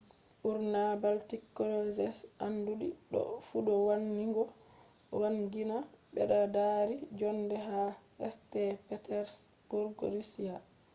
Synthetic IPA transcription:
ɓuɾnabaltikːɔlɔzɛsanduɗiɗɔ̰fuɗɔwanːiŋɡɔ | waŋɡinaɓɛɗadaɾid͡ʒɔndɛɦaɛstɛpɛtɛɾs | b̥uɾɡɔ̰ɾisija

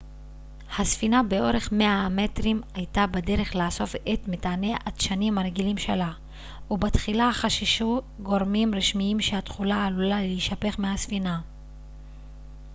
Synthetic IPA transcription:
hasfinabe̞o̞ɾe̞χme̞aame̞tʁimajtabade̞ʁe̞χlaːso̞fetmetaːneʔatʃanimaɾeɡilimʃela | ubat̪χilahaχaʃiʃu | ɡo̞ʁmimʁiʃmiimʃeatχulaːlulaleiʃape̞χmehasfina

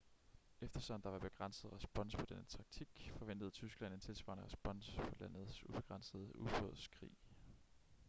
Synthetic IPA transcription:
efd̥ɐsɒ̽n̩d̥ɑʋɑ̈b̥e̝ɡ̥ʁɑn̰səð̞̩ˠʁɛsb̥ɒ̽n̰spʰɒ̽d̥enət͡sʰɑ̈ɡ̥̚t͡sʰiɡ̥fɒ̽ʋen̰d̥ð̞̩ˠt͡sʰysɡ̥læn̰e̝nt͡sʰe̝lsʋɑ̈ːnəʁɛsb̥ɒ̽n̰spʰɒ̽læn̰ð̩ˠsub̥e̝ɡ̥ʁɑ̈nsəð̞̩ˠəʔubʁɔ̰ð̰ˠskʰʁḭː

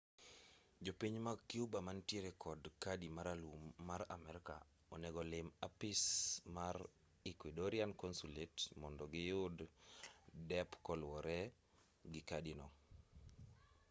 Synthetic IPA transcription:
d͡ʒopiɲmakiubamantjeɾɛkʰɔdkadimaɾalumːaɾa̰mɛɾka̰ | ɔnɛɡɔlɪmapɪsmaɾ | ikwidoɾiankɔnsuletmɔndɔɡɪjʊd | dɛpkɔlwɔɾɛ | ɡɪkadinɔ

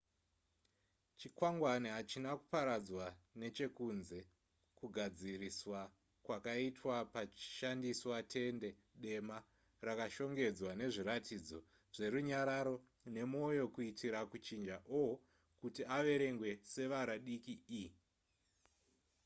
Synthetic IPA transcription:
t͡ʃikwaŋɡwaniɦat͡ʃinaku̥paɾad͡zwane̞t͡ʃe̞kunze̞ | kuɡʱad͡ziriswa | kwakaitwapḁʃandiswatʰe̞nde̞ɗe̞ma | rakaʃo̞ŋɡe̞d͡zwane̞ʐiɾatʰid͡zo̞ | ʐ̥e̞ɾuɲaɾaɾo̞ | ne̞mo̞jo̞kuitʰiɾakut͡ʃind͡ʒaʔo | kutiaʋe̞ɾe̞ŋɡwe̞se̞ʋaɾaɗikii

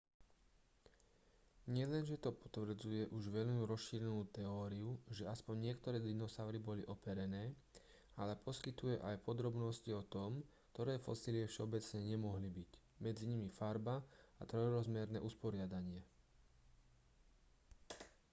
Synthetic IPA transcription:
ɲɪɛlɛnʒɛt̪ɔpɔ̥t̪ʋr̩d͡zujɛʔuʒʋɛʎmuɾɔsʃiːɾɛnuːt̪ɛɔːɾiuʒɛaspɔɲːɪɛkt̪ɔɾɛːd̪inɔsaʊɾibɔliʔɔpɛɾɛnɛː | alɛpʰɔskit̪ujɛʔajpɔd̪ɾɔbnɔsciɔt̪ɔmkt̪ɔɾɛːfɔsiːlɪɛfʃɛɔbɛt͡sɲɛɲɛmɔɦlibic | mɛd͡ziɲimifaɾbaat̪ɾɔjɾɔzmɛɾnɛ̰ːʔuspɔɾɪad̪aɲɪɛ

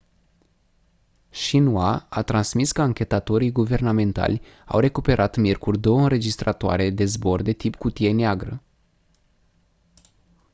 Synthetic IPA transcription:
ʃinuaat̪ɾansmiskəaŋkʲe̞t̪at̪o̞ɾijɡuve̞rname̞nt̪a̰lʲ | a̰wre̞kupe̞ɾʔat̪mʲjerkurʲd̪o̞wəɨnɾe̞d͡ʒist̪ɾat̪oa̰ɾe̞d̪e̞zbo̞rd̪e̞t̪ipkut̪ie̞neaɡɾə

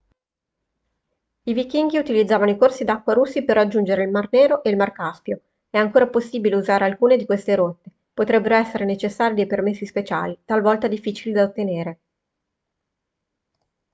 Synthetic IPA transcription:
ivikiŋɡiut̪ilid̪zːaːvanoikorsid̪akːwaɾusːiperːad͡ʒːund͡ʒeɾeilmarneːɾoʔeilmarkaspjo | ɛaŋkoːɾaposːiːbileuzaːɾealkuːned̪ikwest̪eɾot̪ːe | pot̪ɾɛbːeɾoɛsːeɾenet͡ʃesːaːɾid̪ejpermesːispet͡ʃa̰ːlit̪alvɔlt̪ad̪ifːiːt͡ʃilid̪aot̪ːeneːɾe

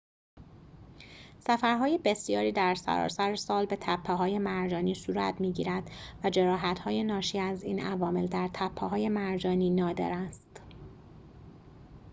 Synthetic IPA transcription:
sæfæɾɦɒːje̞be̞sjɒːɾiːd̪æɾsæ̰ɾɒ̰ːsæɾesɒːlbe̞t̪ʰæpʰːeɦɒːje̞mæɾd͡ʒɒːniːsuːɾæ̰t̪miːɟḭːɾæd̪̥væd͡ʒe̞ɾɒːɦæt̪hɒːje̞nɒːʃiːæziːnʔævɒːme̞ld̪æɾt̪ʰæpʰːeɦɒːje̞mæɾd͡ʒɒːniːnɒːd̪e̞̰ɾæst̪

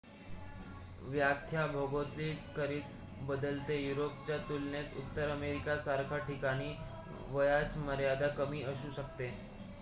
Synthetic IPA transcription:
ʋjakʰjabʱoɡot̪liːkəɾiːt̪̚ | bəd̪əlt̪ejuɾopt͡ɕjat̪ulnet̪ṵt̪ːəɾəmeɾikasaɾkʰaʈikaɽ̃iː | ʋəjat͡sməɾjad̪akəmiːʔəɕuːɕəkt̪e

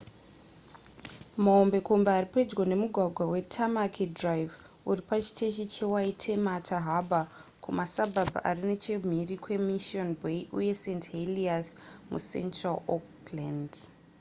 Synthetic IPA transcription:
maombe̞kombaːriped͡zwone̞muɡʱwaɡʱwawe̞tʰamakʰedrajv | uripat͡ʃi̥tʰeʃ̬it͡ʃe̞waitʰe̞matʰaɦabʱakʰumasabʱabʱa̰ʔarinet͡ʃem̤irikwe̞miʃionbʱeiʔuje̞sentɦeliasmṵsḛntralok | land

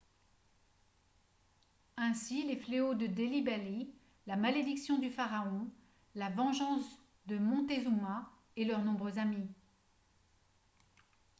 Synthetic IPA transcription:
ɛ̃silefleod̪əd̪elibali | lamaled̪iksjɔ̃d̪yfaʁaɔ̃ | lavɑ̃ʒɑ̃s | d̪əmɔ̃t̪ezuma | elœʁnɔ̃bʁøzami

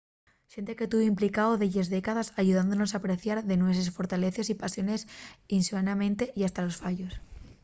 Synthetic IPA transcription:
ʃent̪eket̪uβoimplikaoðeʝezðekaðasaʝuðand̪onosapɾeθjaɾðenwes̬esfo̞ɾt̪ale̞θesipasjo̞ne̞sinsuanamẽnt̪eʔiast̪alo̞sfaʝo̞s

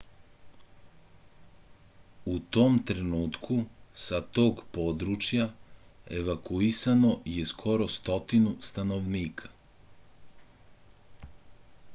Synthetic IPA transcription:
ut̪o̞mt̪ɾe̞nuːt̪kʰusat̪o̞ːɡpo̞ːd̪ɾut͡ʃjae̞ʋakuisano̞jeskʰo̞ɾo̞st̪o̞t̪inust̪ano̞ʋniːkʰḁ

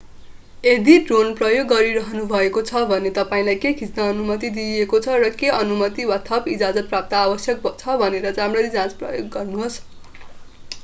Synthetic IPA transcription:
ed̪iɖronprʌjoɡːʌɾiɾʌɦʌnubʱʌekot͡sʰʌbʱʌnet̪ʌpaĩlajkekʰit͡snaʌnumʌt̪id̪iekot͡sʰʌrʌkeʌnumʌt̪iwat̪ʰʌpid͡zad͡zʌt̪̚prap̚t̪ʌːbʌsjʌk̚bt͡sʰʌbʱʌneɾʌd͡zamrʌɾid͡zãt͡sprʌ̰joɡːʌrnuɦos

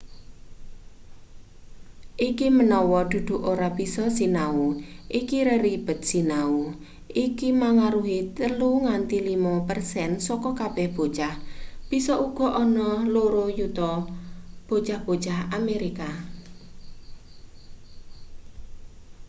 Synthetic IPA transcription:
ʔikimənɔwɔd̪̥ṳd̪̥ṳʔoɾab̥isɔsinauʔikiɾəɾib̥ə̤t̪̚sinau | ʔikimaŋaɾuɦit̪əluŋant̪ilimapərsɛnsɔkɔkab̥ɛhb̥o̤t͡ʃahb̥i̤sɔʔuɡ̥ɔ̤ʔɔnɔloɾojut̪ɔ | b̥o̤t͡ʃahb̥o̤t͡ʃaɦameɾika

